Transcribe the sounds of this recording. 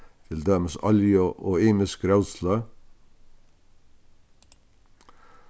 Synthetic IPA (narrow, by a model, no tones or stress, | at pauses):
tʰɪld̪æːməsɑ̰ljəʔoːeːmɪskɾɑʉslɑ